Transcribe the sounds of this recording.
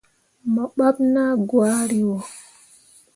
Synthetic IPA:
ma˨ɓa˦ɓna˦ɡwaː˦ɾi˨wɔ˨

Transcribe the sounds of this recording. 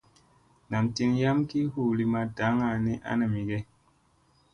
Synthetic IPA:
na˨mti˧nja˦mki˦hu˦˨li˨˧ma˧da˨˦ŋa˨ni˦ʔa̰˦nə˨mi˨ɡe˦

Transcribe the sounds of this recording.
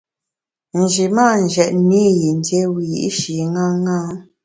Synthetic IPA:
n̩˨d͡ʒi˨ma˦˨n̩˨d͡ʒɛ˨ʔmi˦ji˨n˨˦dje˦wi˨jḭ˦ʔʃi˨ŋa˦ŋa˦

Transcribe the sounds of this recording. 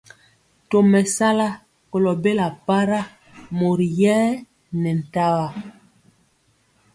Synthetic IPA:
to˨mɛ˨sa˦la˦ | ko˨lɔ˨be˦la˨pa˦ɾa˦ | mo˨ɾi˨jɛː˦ | nɛ˨n̩˨ta˦wa˦

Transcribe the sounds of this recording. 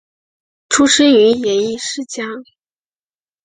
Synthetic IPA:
ʈ͡ʂʰu˥ʂə˥y˧˥jɛ˨˥i˥˧ʂɻ̩˥˩t͡ɕja˥

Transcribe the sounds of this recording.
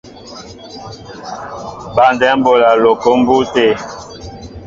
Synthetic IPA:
ba˨ndɛ˦m̩˦bo˨la˨lo˨ko˦m̩˦bu˦te˦˨

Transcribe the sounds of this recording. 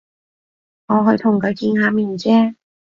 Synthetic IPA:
ŋɔː˨˧ɦɵ˧ɥt̪ʰʊ˨˩ŋkʰɵ˨˧ɥkiː˧nhaː˨˧miː˨˩nt͡sɛː˥

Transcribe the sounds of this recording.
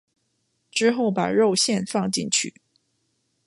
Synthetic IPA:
ʈ͡ʂɻ̩˥xo˥˩ʊpa̰˨˩ɻo˥˧ʊɕjɛ˥˧nfɑ˥˧ŋt͡ɕḭ˥˩nt͡ɕʰy̰˥˩˦

